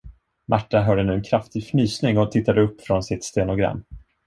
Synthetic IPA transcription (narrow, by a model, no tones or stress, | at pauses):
mʔaʈːaɦœːɖənʉ̟ːɛnkʰɾaft̪ɪɡfnyːsnɪŋɔt̪ʰɪt̪ːad̪əɵpːfɾɔnsɪt̪st̪eːnɔɡɾa̰mː